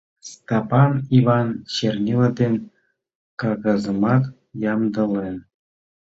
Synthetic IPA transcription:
st̪ɑpɑniβɑnt͡ɕernʲelɑd̪en | kɑɣɑzəmɑk̪ | jɑmd̪ɤ̆len

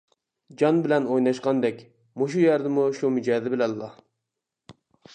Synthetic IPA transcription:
d͡ʒɑnbɪlɛnojnɑʃqɑnd̪ɛkʲ | muʃ̬ujɛɾd̪ɪmuʃumyd͡ʒɛːd̪ɪbɪlɛlːɑ

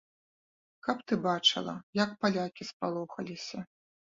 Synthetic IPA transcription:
kɐpt̪ɨbat͡ʂɨ̰lˠɐ̰jɐk̚palʲakʲispalˠɔxɐlʲisʲɐ

